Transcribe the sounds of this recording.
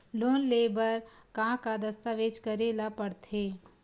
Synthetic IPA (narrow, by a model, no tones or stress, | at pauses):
loːnleːbəɾkãːkad̪əst̪aːʋeːd͡ʒkəɾeːlapəɽt̪ʰeː